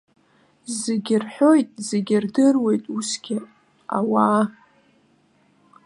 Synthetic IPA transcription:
zeɡʲɪrħʷᶣo̞jtʼzeɡʲɪrdɨrwe̞jtʼusɡʲɪ | a̰waː

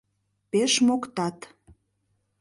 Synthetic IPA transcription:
peʃmokt̪ɑt̪

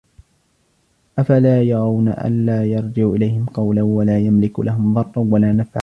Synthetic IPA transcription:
ʔafalaːjɑɾˤɑwna̰ʔa̰nlaːjɑɾˤd͡ʒɪʕʔɪlajhɪmqɑwlawalaːjamlɪklaɦʊmðˤɑrˤːwalaːnafʕa

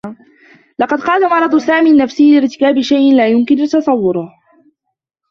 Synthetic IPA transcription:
lɑqɑd̪qɑːlamɑɾˤɑd̪ˤsaːmiːnːafsɪhlɪɾt̪ɪ̥kaːbɪʃajʔɪnlaːjʊmkɪnt̪ɑsˤɑwːʊɾʊh

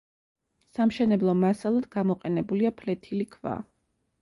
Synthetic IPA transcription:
samʃɛnɛblˠɔmasalˠad̪ɡamɔqʼɛnɛbuliapʰlɛt̪ʰilikʰva̰

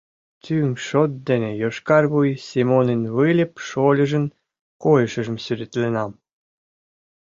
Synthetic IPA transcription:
t̪ʲyŋʃot̪̚d̪enejoʃkɑrβujsʲimonenβɨlʲə̆pʃolʲə̆ʒə̆n | kojəʃə̆ʒə̆msyɾʲet̪lʲenɑm

